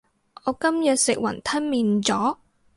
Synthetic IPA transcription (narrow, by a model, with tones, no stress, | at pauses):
ɔː˨˧kɐ˥mjɐ˨t̚sɪ˨k̚wɐ̰˨˩nt̪ʰɐ˥nmiː˨˧nt͡sɔː˨˥